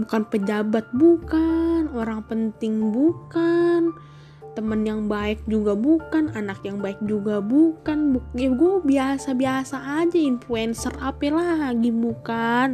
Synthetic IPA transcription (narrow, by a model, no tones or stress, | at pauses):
bukanpəd͡ʒabat̪̚bukanoɾaŋpənt̪ɪŋbukan | t̪əmənjaŋbaɛk̚d͡ʒuɡabukananakjaŋbaɪk̚d͡ʒuɡabukanbuɡuɛbiasabiasaːd͡ʒainfluɛnsərapɛlahaɡibukan